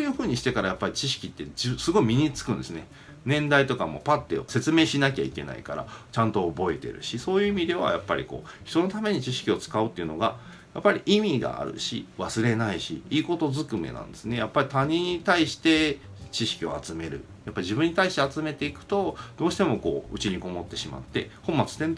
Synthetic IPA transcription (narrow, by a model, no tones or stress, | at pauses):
ojɯ̟ːɸɯ̟ːɲ̟iɕi̥t̪e̞kaɾajapːaɾʲit͡ɕiɕ̬i̥kʲit̪ːe̞d͡ʑisɨɡo̞imʲiɲ̟it͡sɨ̥kɯ̟̃nd̪e̞sɨne̞ | nẽ̞nd̪ait̪o̞kamo̞̰pat̪ːeo̰se̞t͡sɨmeːɕinak̬ʲa̰ike̞̰na̰ḭkaɾa̰t͡ɕãnt̪o̞ːbo̞et̪e̞̰ɾɯ̟̰ɕiso̞ːjɯ̟imʲid̪e̞βa̰ja̰pːa̰ɾʲḭko̞̰ːçi̥t̪o̞no̞t̪ame̞ɲ̟it͡ɕiɕi̥kʲio̞t͡sɨ̥kaɯ̟t̪ːeɯ̟no̞ɡa | japːaɾʲiʔimʲiɡa̰a̰ɾɯ̟̰ɕḭβasɨɾe̞naiɕḭiːko̞t̪o̞zɨkɯ̟me̞̰nã̰nd̪e̞sɨne̞japːaɾʲit̪aɲ̟ĩɲ̟ːit̪aiɕi̥t̪e̞ | t͡ɕiɕi̥kʲio̞̰at͡sɨme̞ɾɯ̟̰ | japːaiʑibɯ̟̃ɲ̟ːit̪aiɕi̥t̪e̞at͡sɨme̞t̪e̞ikɯ̟̥t̪o̞d̪̥o̞ːɕi̥t̪e̞mo̞ko̞̰ːɯ̟t͡ɕiɲ̟iko̞mo̞t̪ːe̞ɕima̰t̪ːe̞̰hõ̞mːat͡sɨ̥t̪en